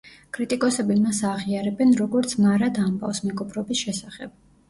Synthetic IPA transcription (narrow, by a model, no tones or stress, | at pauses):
kʼɾit̪ʼikʼɔsɛbimasaʁiaɾɛbɛnɾɔɡɔɾt̪sʰmaɾad̪amba̰vsmɛɡɔpʰɾɔbisʃɛsaχɛb̥̚